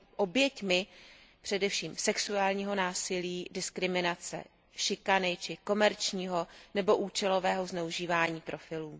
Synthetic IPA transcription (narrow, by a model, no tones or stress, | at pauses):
ʔo̞bjɛcmɪ | pr̝̥ɛdɛfʃiːmsɛksuaːlɲiːɦo̞naːsɪliːdɪskɾɪmɪnat͡sɛ̰ | ʃɪkanɪt͡ʃɪko̞mɛɾt͡ʃɲiːɦo̞nɛbo̞ʔuːt͡ʃɛlo̞vɛːɦo̞znɛuʒiːvaːɲiːpɾo̞fɪluː